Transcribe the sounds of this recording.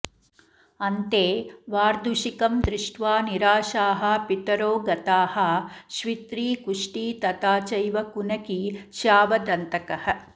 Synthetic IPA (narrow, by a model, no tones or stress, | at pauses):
ɐnt̪eːʋaːɾd̪ʱuʃikɐmd̪ɾɪʂʈʋaːniɾaːʃaːɦɐ̆pit̪ɐɾoːɡɐt̪aːhɐ̆ʃʋit̪ɾiːkuʂʈiːt̪ɐt̪aːt͡ʃɐjʋɐkunɐkiʃaːʋɐd̪ɐnt̪ɐkɐhɐ̆